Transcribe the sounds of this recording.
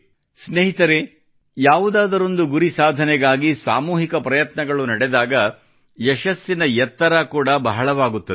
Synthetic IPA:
sneɦit̪ɐɾe | jaːʋud̪aːd̪ɐɾo̞nd̪uɡuɾisaːd̪ʱɐnɛɡaːɡisaːmuːɦikɐpɾɐjɐt̪nɐɡɐɭunɐɽɛd̪aːɡɐ | jɛʃɐsːinɐjɛt̪ːɐɾɐkuːɽɐbɐɦɐɭɐʋaːɡut̪ːɐd̪e

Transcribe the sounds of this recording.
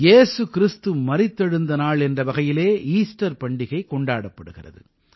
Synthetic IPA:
jeːsɯkɪɾɪst̪ɯmɐɾɪt̪ːɐɻɯnd̪ɐnaːɭɛndrɐʋɐɣɐjɪleːiːsʈɐɾpɐɳɖɪɣɐɪkːɔɳɖaːɽɐpːɐɽɯɣɪrɐ̰ðɯ̰

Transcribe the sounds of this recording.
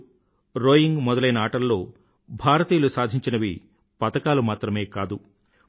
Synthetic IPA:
ɾoːjiŋɡmɔd̪ɐlɐjnɐaːʈɐlːo̞ː | bʱaːɾɐt̪iːjɐlusaːd̪ʱiɲt͡ʃinɐʋi | pɐt̪ɐkaːlumaːt̪ɾɐme̞ːkaːd̪u

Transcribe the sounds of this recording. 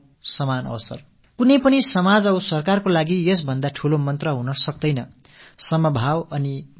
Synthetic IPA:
sʌmanʌ̰wsʌ̰r | kunʌjpʌnisʌmad͡zʌwsʌrkarkolaɡijʌs̬bʱʌnd̪aʈʰulomʌnt̪rʌɦunʌsʌk̚d̪ʌjnʌ | sʌmʌbʱawʌni

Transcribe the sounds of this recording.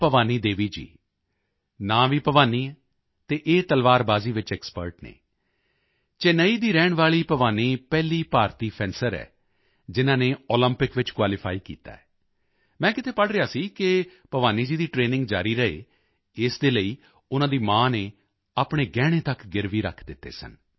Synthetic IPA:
pəʋaːniːd̪eːʋiːd͡ʒḭː | nãːʋiːpəʋaːniː | t̪eːʔeːt̪əlʋaːɾbaːziːʋɪt͡ʃɛːkspə̰ɾʈnḛː | t͡ʃenəiːd̪iːɾɛːɳʋaːɭiːpəʋaːniːpɛːliːpaːɾt̪iːpʰɛ̃ːnsəɾɛ̰ː | d͡ʒɪnãːneːɔːləmpɪkʋɪt͡ʃkwaːlɪpʰaːikḭːt̪a̰ːɛ | mɛ̃ːkɪt̪ʰeːpəɽɾɪjaːsiːkɪpəʋaːniːd͡ʒiːd̪iːʈɾeːnɪ̃ŋɡd͡ʒaːɾiːɾəɦḛː | ɪsd̪eːləiː | ʊnãːd̪iːmãːneː | aːpɽ̃eːɡɛːɽ̃eːt̪əkɡɪɾʋiːɾə̰kʰd̪ɪt̪ːḛːsə̰n

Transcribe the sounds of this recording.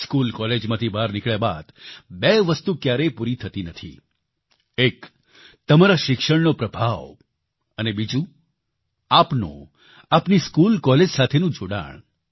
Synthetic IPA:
skulkɔled͡ʒmãt̪ʰibaɾnɪkɭjaba̰d̪̥beʋəst̪ukjaɾepuɾit̪ʰət̪inət̪ʰḭ | ek | t̪əmaɾaʃɪkʃəɽnopɾəbʱaʋ | ənebid͡ʒũ | apnõ̰ | apniskulkɔled͡ʒsat̪ʰenũd͡ʒoɽa̰ɳ̃

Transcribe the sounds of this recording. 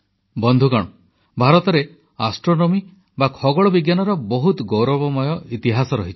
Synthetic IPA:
bɔnd̪ʱukaɽ̃ɔ | bʱaɾɔt̪ɔɾe | asʈɾonɔmi | bakʰɔɡɔɭɔbiɡjanɔɾɔbɔɦut̪ɔɡowɾɔbɔmɔjɔʔit̪iɦasɔɾɔɦit͡ʃʰi̥

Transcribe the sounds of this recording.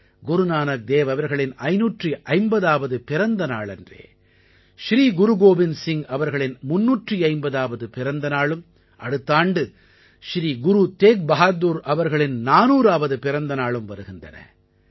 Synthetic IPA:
ɡʊɾunaːnɐk̚d̪eːʋɐʋɐɾɣɐɭɪnɐɪnuːʈriʔɐɪmbɐðaːʋɐðɯpɪɾɐnd̪ɐnaːɭɛ̰ndrḛː | ʃɾiːɡʊɾuɡoːbɪnsɪŋɐʋɐɾɣɐɭɪnmʊnːuːʈriɐɪmbɐðaːʋɐðɯpɪɾɐnd̪ɐnaːɭɯm | ʔɐɽɯt̪ːaːɳɖɯ | ʃɾiːɡʊɾut̪eːk̚bɐɦaːd̪uːɾɐʋɐɾɣɐɭɪnnaːnuːɾaːʋɐðɯpɪɾɐnd̪ɐnaːɭɯmʋɐɾɯɣɪndrɐ̰nɐ̰

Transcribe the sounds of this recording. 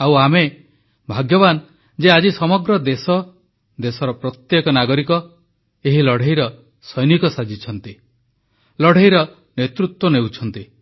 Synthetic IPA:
awame | bʱaɡjɔban | d͡ʒead͡ʒisɔmɔɡɾɔd̪esɔ | d̪esɔɾɔpɾɔt̪jekɔnaɡɔɾikɔ | eɦilɔɽ̤ʱeɦjɾɔ | sɔjnikɔsad͡ʒit͡ʃʰɔnt̪i | lɔɽ̤ʱeɦjɾɔ | net̪ɾut̪wɔnewt͡ʃʰɔnt̪i

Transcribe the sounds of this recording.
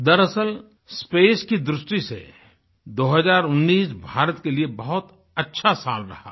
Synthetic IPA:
d̪ɐɾəsəl | speːskid̪ɾʊsʈisḛ | d̪oːɦəzaːɾʊnːiːsbʱaːɾət̪keliebɐɦʊt̪ | ɐtːʃʰasa̰ːlɾɐ̰ha̰ː

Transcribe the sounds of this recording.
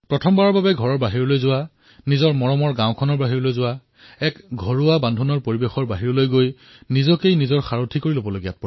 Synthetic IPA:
pɹɔtʰɔmbaɹɔɹbabɛɡʱɔɹɔɹbaɦiɹɔlojzʊwa | nizɔɹmɔɹɔmɔɹɡãʊ̃kʰɔnɔɹbaɦiɹɔlojzʊwa | ɛkɡʱɔɹʊabandʱunɔɹpoɹibexɔɹbaɦiɹɔlojɡoj | nizɔkejnizɔɹxaɹotʰikoɹilobɔloɡijat̚pɔ

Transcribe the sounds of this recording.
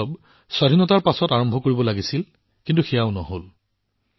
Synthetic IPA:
ɔb | sadʱinɔtaɹpasɔtaɹɔmbʱɔkoɹibɔlaɡisil | kintuxɛjaʊnɔɦol

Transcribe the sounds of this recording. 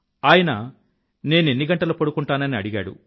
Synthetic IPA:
aːjɐnɐ | ne̞ːne̞nːiɡɐɳʈɐlupɐɽukuɳʈaːnɐniɐɽiɡa̰ːɽṵ

